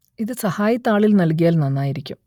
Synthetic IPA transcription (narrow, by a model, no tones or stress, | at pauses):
iðɨsɐhaːjɐt̪ːaːɭilnɐlk̬ijaːlnɐnːaːjiɾikʲːum